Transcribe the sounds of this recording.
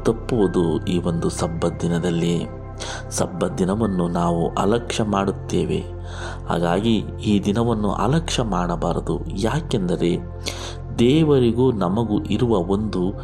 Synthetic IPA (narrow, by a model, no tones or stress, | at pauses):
t̪ɐpːuʋud̪uiːʋo̞nd̪usɐbːɐd̪inɐd̪ɐlːi | sɐbːɐd̪inɐʋɐnːunaːʋṵʔɐ̰lɐkʂɐmaːɽut̪ːḛːʋe̞̰ | ha̰ːɡaːɡi | iːd̪inɐʋɐnːṵʔɐ̰lɐkʂɐmaːɽɐbaːɾɐd̪ṵ | jaːkend̪ɐɾe̞ | d̪ɛːʋɐɾiɡuːnɐmɐɡuʔiɾuʋɐo̞nd̪u